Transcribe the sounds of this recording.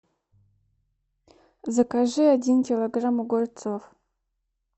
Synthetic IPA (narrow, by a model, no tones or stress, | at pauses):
zakaʒɨadinkʲiloɡramuɡʷʊrt͡sʰʼof